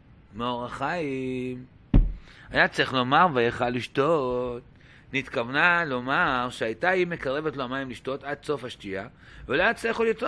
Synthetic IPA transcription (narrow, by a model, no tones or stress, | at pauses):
meoʁaχaim | ajat͡siχlo̞maʁvajaχalːiʃtot̚ | nit̪kavnalo̞maʁʃeajtaime̞kaʁe̞vetloamajimliʃto̞tad̪so̞fhaʃtia | velajat͡siχolit